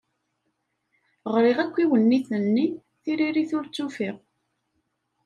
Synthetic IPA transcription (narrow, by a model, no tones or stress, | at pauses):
ʁɾiʁækʷːiwənːiθənːi | θiɾiɾiθʊɾt͡sːufiʁ